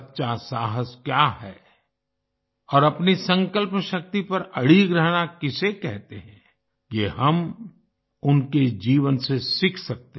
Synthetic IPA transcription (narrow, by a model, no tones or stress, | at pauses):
tːʃasaːɦəskjaɦɛː | ɔːɾɐpnisə̃ŋkəlpʃɐk̚t̪ipɐɾɐɽiɡɾəɦnakɪsekɛɦt̪eɦɛ̃ː | jeɦɐm | ʊnked͡ʒiːʋənsesɪkʰsɐk̚t̪e